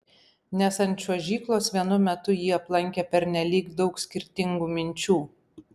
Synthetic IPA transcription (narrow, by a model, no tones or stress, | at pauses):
nʲɛsɐnʲt̪ʲt͡ʃʲuɔʒʲiːklˠoːsʋʲiɛnʊmʲɛt̪ʊjiːɐplˠɐŋʲkʲepʲɛɾʲnʲɛlʲiːkd̪ɒʊksʲkʲɪɾʲt̪ʲɪŋɡuːmʲɪnʲt͡ʃʲuː